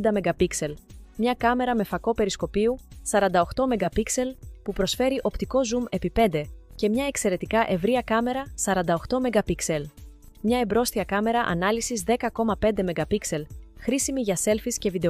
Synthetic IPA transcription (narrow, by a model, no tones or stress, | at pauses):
d̪ɐme̞ɡɐpikse̞lmɲɐkɐme̞ɾɐme̞fɐko̞pe̞ɾisko̞piusɐɾɐnd̪ɐoxt̪o̞me̞ɡɐpikse̞lpupɾo̞sfe̞ɾiʔo̞pt̪iko̞zume̞pipe̞nd̪e̞ce̞mɲɐe̞kse̞ɾe̞t̪ikɐʔe̞vɾiɐkɐme̞ɾɐsɐɾɐnd̪ɐo̞xt̪o̞me̞ɡɐpikse̞l | mɲɐebɾo̞st̪iɐkɐme̞ɾɐʔɐ̰nɐlisizðe̞kɐko̞mɐpe̞nd̪e̞me̞ɡɐpikse̞lxɾisimiʝɐse̞lfisce̞vid̪e